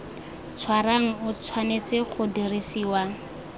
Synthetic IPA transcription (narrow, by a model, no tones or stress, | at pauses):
t͡sʰwaraŋ̩ʊt͡sʰwanet͡sɪχʊdirisiːwa